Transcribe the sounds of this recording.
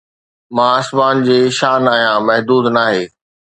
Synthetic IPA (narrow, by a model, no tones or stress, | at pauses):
mãːəsmaːnd͡ʑeːʃaːnaːɦijãmɐɦd̪uːd̪naːɦeː